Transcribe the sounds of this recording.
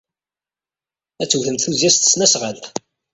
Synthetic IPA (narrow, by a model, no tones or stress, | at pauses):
æt͡sːwθəmt̪θuzjæst̪ə̥snæsʁəl